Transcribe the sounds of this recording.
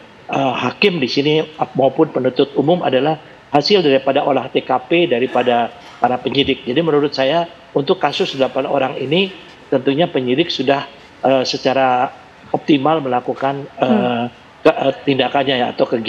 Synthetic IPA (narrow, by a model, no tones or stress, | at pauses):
əhakɪmdisinimaupʊnpənunt̪ʊt̪̚umʊma̰dalah | hasɪldaɾipadaʔolaht̪ekapedaɾipada | paɾapəɲidɪk̚d͡ʒadimənuɾʊt̪saja | unt̪ʊkːasʊsdəlapanoɾaŋini | t̪ənt̪uɲapəɲidɪk̚sudah | əsət͡ʃaɾa | ɔp̚t̪imalməlakukanə | kəət̪indakanɲaja̰ːt̪awkəɡi